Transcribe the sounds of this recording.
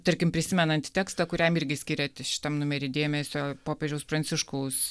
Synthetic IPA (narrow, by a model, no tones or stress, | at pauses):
t̪ɐɾʲkʲɪmpʲɾʲɪsʲɪmʲɛnɐnʲt̪ʲɪt̪ʲæːkst̪ɐkʊɾʲɛmɪɾʲɡʲɪsʲkʲɪɾʲɛt̪ʲɪʃʲɪ̥t̪ɐmnʊmʲɛɾʲɪd̪ʲeːmʲɛsʲoːpoːpʲeːʒʲɛʊspɾɐnʲt͡s̪ʲɪʃkɐʊs